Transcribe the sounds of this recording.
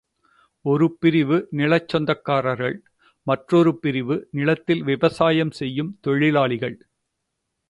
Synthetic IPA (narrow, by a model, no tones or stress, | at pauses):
ɔɾɯpɪɾɪʋɯnɪɭɐt͡ʃːɔnd̪ɐkːaːɾɐɾɣɐɭ | mɐʈrɔɾɯpɪɾɪʋɯnɪɭɐt̪ːɪlʋɪʋɐsaːjɐmsɛjːɯmt̪ɔɻɪlaːɭɪɣɐɭ